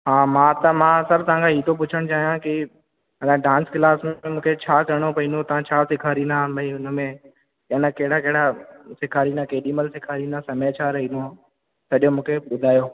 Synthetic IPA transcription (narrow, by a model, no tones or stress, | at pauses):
ɦaːmãt̪ɐmãsɐɾt̪ɐãŋkʰaɦiːt̪ʰop̬ʊt͡ʃʰəɽ̃t͡ɕaːɦijãki | ɐnãɖãːnsklaːsmemũːkʰet͡ɕʰaːkɐɽ̃opɐĩnot̪ɐʋ̤ãt͡ɕʰaːsɪkʰaːɾinabɐiʊnə̆mẽ | ɐnəkɐɦɪɽakɐɦɪɽasɪkʰaːɾinakeːɗiːməlsɪkʰaːɾinãsɐmeːt͡ɕʰaːɾɐɦino | sɐɗjõmũːkʰeɓʊd̪ʱaːjoː